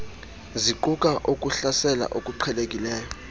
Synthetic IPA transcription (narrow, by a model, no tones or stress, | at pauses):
ziǃuk̬ʼaʔokʼuɬasɛla̰ʔokʼuǃʰɛlek̬ʼilɛːjɔ